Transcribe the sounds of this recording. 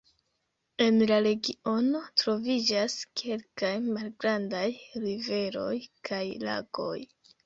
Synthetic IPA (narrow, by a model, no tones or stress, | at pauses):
e̞nlaɾe̞ɡio̞no̞tɾo̞vid͡ʒaskʰe̞lkajmalɡɾandajɾive̞ɾo̞jkʰajla̰ɡ̥o̞̰j